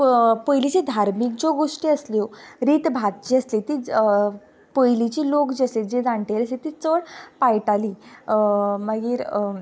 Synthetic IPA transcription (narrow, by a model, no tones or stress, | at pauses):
pojlit͡ɕid̪ʱaɾmik̚d͡ʑoɡoʂʈiːəslioɾiːt̪bʱat̪̚d͡ʑiəslet̪iː | pojlit͡ɕiːlokd͡ʑiəsled͡ʑed͡zaɳʈeɾəslet̪iːt͡səɽpajʈaliː | məɡiːɾ